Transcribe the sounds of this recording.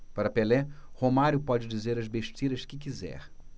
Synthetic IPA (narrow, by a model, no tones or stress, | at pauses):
paɾɐpelɛhomaɾjʊpɔd͡ʒɪd͡ʒizeɾɐzbeʃt͡ʃiɾɐʃkɪkizɛ̰ɾ